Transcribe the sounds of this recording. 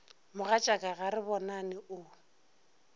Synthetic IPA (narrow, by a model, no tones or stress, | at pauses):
mʊɣat͡ʃʼakʼaɣaɾɪbɔnanɪʔʊ